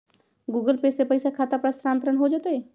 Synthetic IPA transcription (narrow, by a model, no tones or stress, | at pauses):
ɡuːɡəlpesepəɪsakʰaːt̪apɾaːsɾaːnt̪ɾəɳɦod͡ʒaːt̪eeː